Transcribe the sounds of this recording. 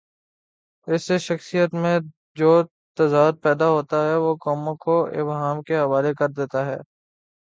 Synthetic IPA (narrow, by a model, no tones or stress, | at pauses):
ɪsːeʃɐxsijət̪mẽ | d͡ʒoː | t̪ɐzaːd̪̚pɛːd̪aɦoːt̪aɦɛʋokɔːmõkoɪ̰bɦaːmkeɦɐʋaːlekɐɾd̪eːt̪aɦɛ̰ː